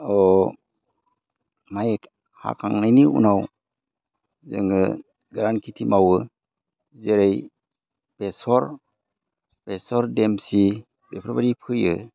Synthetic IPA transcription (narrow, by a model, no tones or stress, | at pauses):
ɔ | majek | ha̰kʰaŋnajniṵnaw | zɯ̰ŋɯ | ɡɾankʰitʰimawɯ | zeɾej | b̥esɔɾ | b̥esɔɾdemsi | bepʰɾɔbaɾipʰɯjɯ̰